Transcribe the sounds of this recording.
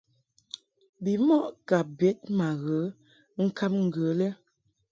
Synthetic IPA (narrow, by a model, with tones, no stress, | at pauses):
bi˨mɔ˦˨ʔka˨bɛ˨˦t̚ma˨ɣə˨˦ | ŋ̩˦ka˦mŋ̩˨ɡə˨˦lɛ˦